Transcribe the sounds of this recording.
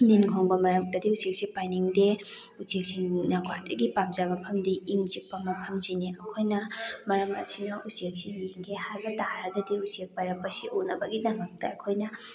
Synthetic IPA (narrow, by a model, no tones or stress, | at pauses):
ndinɡʰʱoŋbɐmɐɾɐk̚tɐdiusek̚sipajniŋde | usek̚sinaɡwa̰dɐɡipap̚zabɐpʰɐmdiiŋzipːɐmɐpʰɐmziniɐkʰojnɐmɐɾɐmɐ̰sinɐʔusiek̚sijeŋɡehajbɐtaɾɐɡɐdiusiek̚pajɾɐk̚pɐsiʔunɐbɐɡidɐmɐk̚tɐɐkʰojnɐ